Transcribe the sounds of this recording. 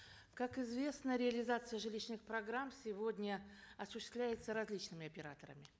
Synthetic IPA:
kakɪzvʲe̞snəɾʲɪɐlʲɪzat̪sɨjəʐɨlʲiɕnɨxpɾɐɡɾamsʲɪvodʲnʲəɐsʊɕːɪst̪vlʲæjɪt̪səɾɐzʲlʲit͡ɕnɨmʲɪɐpʲɪɾa̰t̪əɾə̰mʲɪ

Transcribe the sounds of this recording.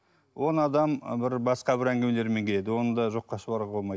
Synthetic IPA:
wo̞nɑd̪ɑmbɪɾbɑsqɑbɪɾæŋɡʲeme̞le̞ɾme̞ŋk̪ʲʰe̞d̪ɪwo̞nəd̪ɑʒo̞qːɑʃəbɑɾʁbolˠmɑj

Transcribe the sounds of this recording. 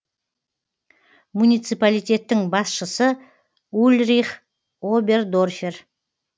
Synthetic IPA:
munijt̪sɨjpalijt̪ʲe̞t̪ːɪŋbɑsʃəsə | ulʲɾiχ | obe̞rd̪o̞rfʲer

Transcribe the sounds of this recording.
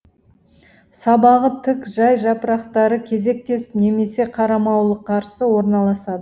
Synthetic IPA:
sɑbɑʁət̪ʰɪkʒɑjʒɑpəɾɑqt̪ɑɾəkʲʰe̞ze̞k̚t̪e̞sɪ̥pne̞me̞se̞qʰɑɾɑmɑwlˠəqʰːɑɾsəwo̞ɾnɑlˠɑsɑd̪ə

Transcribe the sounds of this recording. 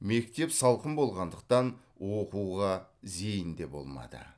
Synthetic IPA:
me̞k̚t̪e̞psɑlˠqəmbo̞lˠʁɑnd̪əq̚t̪ɑn | wo̞quwʁɑze̞jənd̪e̞bo̞̰lˠmɑ̰d̪ə̰

